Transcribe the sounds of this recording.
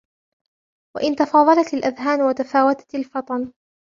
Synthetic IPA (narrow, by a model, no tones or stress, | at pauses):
wa̰ʔɪnt̪ɑfɑːðˤɑlɑt̪alʔaðɦaːnwat̪afaːwat̪ḁalfɑt̪ˤɑn